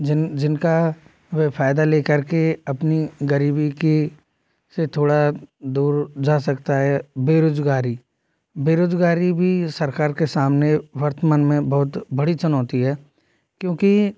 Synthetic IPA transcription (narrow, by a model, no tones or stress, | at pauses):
d͡ʒd͡ʒɪnka | ʋefʰaːɪd̪aleːkəɾkeɐpniɡəɾiːbike | set̪ʰoːɽad̪uːɾd͡ʒaːsɐkt̪aɦɛːbeːɾoːd͡ʒɡaːɾi | beːɾoːd͡ʒɡaːɾibʱisɐɾkaːɾkesaːmneʋɐɾt̪əmaːnmẽbɐɦʊt̪bɐɽit͡ʃʊnɔːt̪iɦɛː | kjõːki